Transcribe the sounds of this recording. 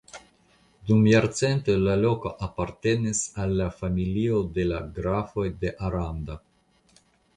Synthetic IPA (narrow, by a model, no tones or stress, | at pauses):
d̪umjaɾt͡sent̪elalo̞koʔapaɾt̪e̞nisalːafamiliod̪e̞laɡɾafo̞jd̪e̞ʔaɾand̪a